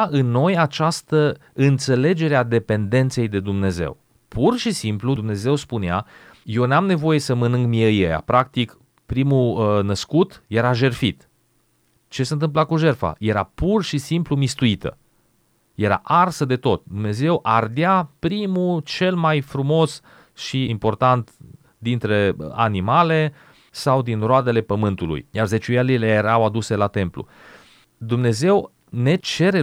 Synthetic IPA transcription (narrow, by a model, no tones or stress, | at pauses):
ɨnːo̞jat͡ʃast̪əɨnt̪se̞le̞d͡ʒe̞ɾead̪e̞pe̞nd̪e̞nt̪se̞jd̪e̞d̪umne̞ze̞̰w | pʰurʃisimpluumne̞ze̞wspunea̰ | je̞wnamne̞vo̞je̞səmənɨŋɡmiejeja̰pɾʔak̚t̪ik | pɾimunəskut̪je̞ɾaʒe̞rfit̪ | t͡ʃe̞seɨnt̪̬ɨmp̬lakuʒe̞rfa̰je̞ɾa̰purʃisimplumist̪uit̪ə̰ | je̞ɾa̰ʔarsəd̪e̞t̪o̞t̪̚d̪umne̞ze̞wʔard̪japɾimut͡ʃe̞lmajfɾumo̞s | ʃiimpo̞rt̪ant̪ | d̪int̪ɾe̞a̰nimale̞ | sawd̪inroad̪e̞le̞pəmɨnt̪ulṵjjarze̞t͡ʃuelilejeɾawad̪use̞lat̪e̞mplṵ | d̪umne̞ze̞w | ne̞t͡ʃe̞ɾe